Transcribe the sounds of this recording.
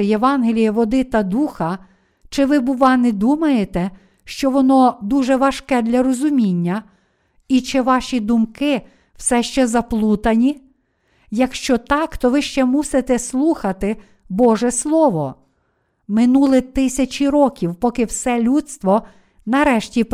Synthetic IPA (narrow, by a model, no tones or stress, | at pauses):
jeʋɑnɦelʲijɐʋɔd̪ɪt̪ɐd̪uxɐ | t͡ʃɪʋɪbʊʋɑnɛd̪umɐjet̪ɛ | ʃt͡ʃɔʋɔnɔd̪uʒɛʋɐʃkɛd̪lʲɐɾɔzʊmʲinʲːɐ | it͡ʃɪʋɑʃʲid̪ʊmkɪ | w̥sɛʃt͡ʃɛzɐplˠut̪ɐnʲi | jɐkʃt͡ʃɔt̪ɑkt̪ɔʋɪʃt͡ʃɛmusɪt̪ɛslˠuxɐt̪ɪ | bɔʒɛslˠɔʋɔ | mɪnulˠɪt̪ɪsʲɐt͡ʃʲiɾɔkʲiwpɔkɪwsɛlʲut̪st̪ʋɔ | nɐɾɛʃtʲip